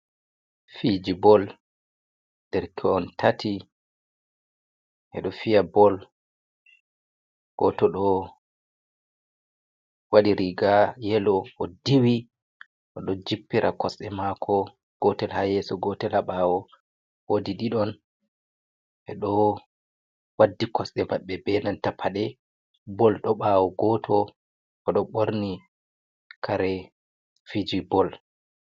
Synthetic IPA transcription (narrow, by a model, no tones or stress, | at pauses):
fid͡ʒibɔl | d̥ɛɾkʰɛɔntʰatʰi | ʔɛ̰ɗɔfijabɔl | ɡ̥ɔtɔɗɔ | waɗiɾiɡajɛlɔɔdiwi | ʔɔɗɔd͡ʒipːiɾʔakɔsɛmakʰɔ | ɡ̥ɔtɛlhajɛsɔɡɔtɛlaɓawɔ | wodiɗiɗɔn | ʔɛɗɔ | wadːikɔsɗɛmaɓːɛbɛnantapʰːaɗɛ | bɔlɗɔɓaːwɔɡɔtʰɔ | ʔɔɗɔɓoɾni | kʰaɾɛ | fid͡ʒibɔl